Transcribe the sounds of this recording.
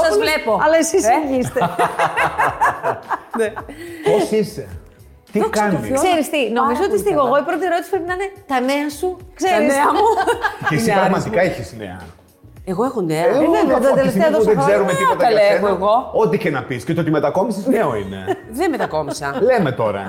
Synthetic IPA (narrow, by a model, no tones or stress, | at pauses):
sɐzvlepoɐlɐesisʝist̪e | neoise | t̪ikɐnḭksse̞ɾist̪ino̞mizoot̪ist̪iɣoeɣo̞ipɾot̪̬ieɾot̪i̥si̥pɾepinɐine̞t̪ɐne̞ɐsukse̞ɾinsemuesipɾɐɣmɐt̪ikɐiçiznḛɐ | eɣoexoneɐeðot̪eleft̪eɐðoðezeɾumet̪iɐt̪ɐɐlevoeɣo̞ot̪içenɐpiscet̪ot̪imet̪ɐkomisizneoḭne̞̰ | ðemet̪ɐko̞misɐlemet̪oɾɐ̰